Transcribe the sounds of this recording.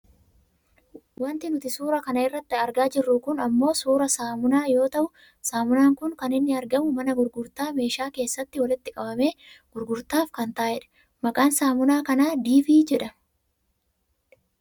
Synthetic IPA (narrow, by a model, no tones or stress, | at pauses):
wɐnt̪ɪnʊt̪ɪsuːɾɐkɐnɐɪrːɐt̪ːɪɐɾɡaːd͡ʒɪrːʊkʊnɐmːo̞ːsuːɾɐsaːmʊnaːjo̞ːt̪ɐʔʊ | saːmʊnaːŋkʊŋkɐnɪnːɪɐɾɡɐmʊmɐnɐɡʊɾɡʊɾt̪aːme̞ːʃaːke̞ːsːɐt̪ːɪwɐlɪt̪ːɪkʼɐbɐme̞ːɡ̥ʊɾɡʊɾt̪aːfkɐnt̪aːhɛᶑɐ̥ | mɐkʼaːnsaːmʊnaːkɐnaːd̪iːfiːd͡ʒɛᶑɐ